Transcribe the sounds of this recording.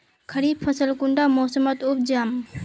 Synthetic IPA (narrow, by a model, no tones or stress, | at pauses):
kʰəɾiːb̪̚pʰəsəlkuɳɖamoːsəmət̪up̚d͡ʒam